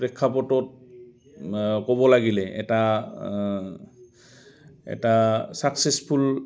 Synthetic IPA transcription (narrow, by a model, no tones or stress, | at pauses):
pɹɛkʰːapɔtɔt̚ | kɔbɔlaɡilɛʔɛ̰ta | ɛ̰tasaksespʰul